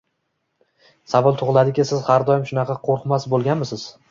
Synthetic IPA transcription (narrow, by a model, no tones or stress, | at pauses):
savɒlˠt̪ʰʊʁlˠad̪ɪkʲɪsɪzhaɾd̪ɒjɪmʃʊnɑqʰɑqʰoɾqmasbolˠɡʲanmɪsɪz̥